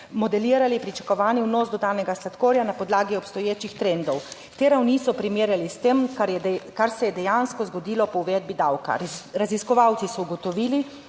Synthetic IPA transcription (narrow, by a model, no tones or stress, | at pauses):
mɔd̪ɛliːɾalipɾit͡ʃḁkɔʋaːniwnoːzd̪ɔd̪aːnɛɡaslat̪koːɾjanapɔd̪laːɡiɔpst̪ɔjeːt͡ʃixt̪ɾend̪ɔw | t̪eːɾawnisɔpɾimeːɾjalist̪emkaɾjɛkaɾsɛjɛd̪ɛjanskɔzɡɔd̪iːlɔpɔuʋɛd̪̚bid̪awka̰ɾaziskɔʋawt̪sisɔuɡɔt̪ɔʋiːli